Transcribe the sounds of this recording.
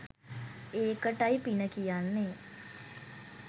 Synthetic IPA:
eːkəʈaipinəkijanːe

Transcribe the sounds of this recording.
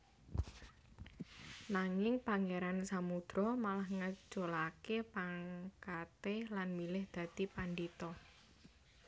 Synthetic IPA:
naŋɪŋpaŋeɾansamud̪̥ɾɔmalahŋə̥d͡ʒʒ̥olakepaŋkat̪elanmilɪhd̪̥ä̤t̪ipandit̪ɔ

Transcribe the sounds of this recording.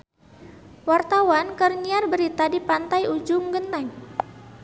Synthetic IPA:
wart̪awankərniarbəɾit̪adipant̪ajud͡ʒʊŋɡənt̪ɛŋ

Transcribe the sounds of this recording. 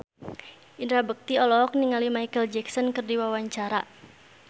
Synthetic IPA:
ʔindɾabək̚t̪iɔlɔk̚niŋalimajkəld͡ʒɛksɔnkərdiwawaɲt͡ʃaɾa

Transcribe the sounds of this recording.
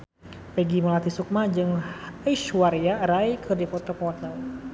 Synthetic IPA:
pɛɡiməlat̪isuk̚mad͡ʒɨŋəʃwaɾiaɾaikʰədipɔt̪ɔpɔat̪a

